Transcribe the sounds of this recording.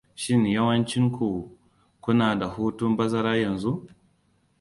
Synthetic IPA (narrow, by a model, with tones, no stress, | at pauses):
ʃɪ˦njɐ˦wɐ˦nt͡ʃɪ˦ŋkʰʷu˨ | kʷʊ˦naː˨da˨huː˦tʊ˦mbɐ˦zɐ˦ɾaː˦jɐ˨nzu˦ʔ